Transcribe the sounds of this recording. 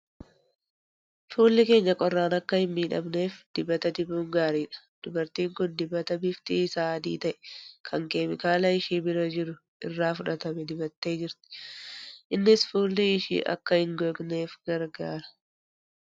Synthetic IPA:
fuːlːɪke̞ːɲːɐkʼɔrːaːnɐkːɐhɪmːiːᶑɐ̰mne̞ːfd̪̥ɪbɐt̪ɐd̪ɪbuːŋɡaːɾiːᶑɐ̥ | d̪̥ʊbɐɾt̪iːŋkʊnd̪ɪbːɐt̪ɐbɪft̪iːsaːd̪ḭːt̪ɐʔɛ̥kʰɐŋkeːmɪkaːlɐɪʃiːbɪɾɐd͡ʒɪɾʊ | ʔɪrːaːfʊᶑɐt̪ɐmɛd̪ɪbɐt̪ːe̞ːd͡ʒɪɾt̪ɪ̥ | ʔɪnːɪsfuːlːɪɪʃḭːʔɐ̰kːɐhɪŋɡoɡne̞ːfɡ̥ɐɾɡaːɾɐ̥

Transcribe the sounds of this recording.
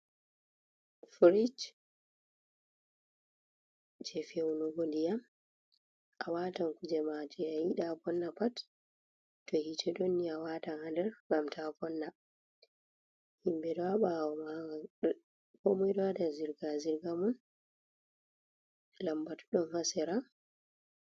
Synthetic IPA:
fɾid͡ʒ | d͡ʒɛfewunuɡɔndijam | ʔawataŋkud͡ʒɛmad͡ʒɛajiɗakɔnːapat | tːɔhitʰɛdonːiawaːtanhandɛɾɡamtʰakɔnːa | himbɛdɔaɓama | kɔmɔjdɔadaziɾɡaziɾɡamɔn | lambatuɗɔnhasɛɾa

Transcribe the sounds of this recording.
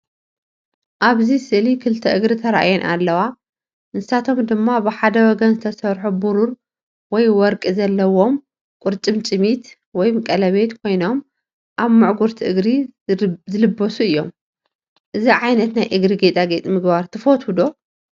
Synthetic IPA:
ʔaβzisɨʔlikʰɨlt̪ʰɐʔɨɡɾit̪ʰɐɾaʔa̰jonʔa̰lːɐwa | nɨsat̪ʰo̞md̪ɨmːabɨħad̪ɐwɔɡɐnzɨt̪ʰɐsɐɾħubuɾuɾ | wɔjwɔɾkʼizɐlːɐwo̞m | kʷʼʊɾt͡ʃʼɨmt͡ʃʼɨmit̪ | wɔjmɨkʼɐlɐβe̞t̪kʰo̞jno̞m | ʔaβmɨʕɡuɾt̪ʰiʔɨɡɾi | zɨlɨbːosuɨjːom | ʔɨziʕajnɐt̪najʔɨɡɾiɡet̪ʼaɡet̪ʼimɨɡbaɾt̪ʰɨfot̪ʰwud̪o̞

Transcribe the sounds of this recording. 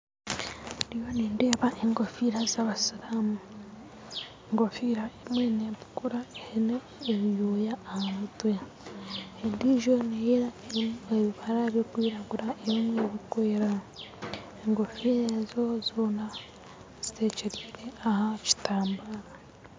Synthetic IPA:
dijoniːndeːβaʔeŋɡofiɾazaβasiɾamu | eŋɡofiɾaemweneβu̥kuɾaehineː | βjoːjaːhamutwe | endiʒoneje | eβiβaɾaβokwiːɾaɡuɾaeβimweβikweːɾa | eŋɡofiɾezo̞zoːna | z̥ite̞ːceɾiːɾe̞ahaci̥taːmbaɾa

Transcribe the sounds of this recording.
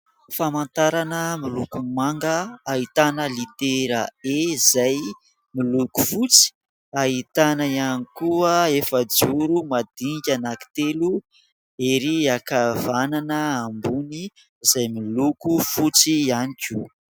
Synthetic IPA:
famant̪aɾanəmilukumaŋɡəaɦit̪anəlit̪eɾaezaj | miluku̥fut͡si̥ | aɦit̪anaianikuəefəd͡zuɾumad̪̥iŋɡʲanaki̥t̪elu | eɾiakavananəambuni | izajmilukufut͡sianikʲu̥

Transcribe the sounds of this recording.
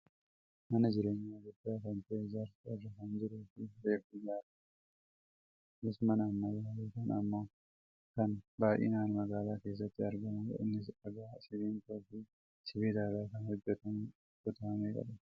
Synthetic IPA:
mɐnɐd͡ʒɪɾe̞ːɲːaːɡʊdːaːkɐnt̪ezɐɾsɐrɐkɐnd͡ʒɪɾuːfɪɾeːkʊjaːɾɐ̥ | nɪsmɐnɐːmːajaːleːkɐnɐmːaː | kɐnbaːʔḛːnaːnmɐɡaːlaːke̞ːs̬ːɐt̪ːɪɐɾɡɐmɐ̰ɪ̰nːɪs̬ɐɡaːsɪβiːnt̪oːfɪ | sɪbiːd̪aːdaːkɐnhɔd͡ʒːɛt̪ɐm | ɡʊt̪ɐɐmeːɡɐ̰lɐ

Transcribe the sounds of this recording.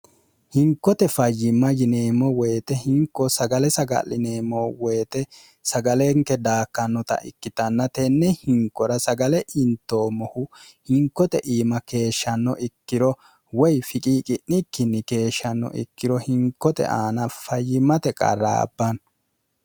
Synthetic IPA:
hɪŋkːɔt̪ɛfɐjːɪmːɐjɪneːmɔweːt̪ɛhɪŋkːɔsɐɡɐlɛsɐɡɐ̰lːɪneːmɔweːt̪ɛ | sɐɡɐleŋkːɛd̪aːkːɐnːɔt̪ɐ̰ʔɪ̰kːɪt̪ɐnːɐt̪ɛnːɛhɪŋkːɔɾɐsɐɡɐlɛʔɪnt̪ːo̞ːmɔhʊ | hɪŋkːɔt̪ɛʔiːmɐke̞ːʃːɐnːɔʔɪkːɪdɔ | wɔjfɪkʼiːkʼɪnnɪkːɪnːɪke̞ːʃːɐnːɔ̰ʔɪ̰kːɪɾɔhɪŋkːɔt̪ɛ̰ʔaːnɐfɐjːɪmːɐt̪ɛkʼɐ̰rːa̰ːbːɐn

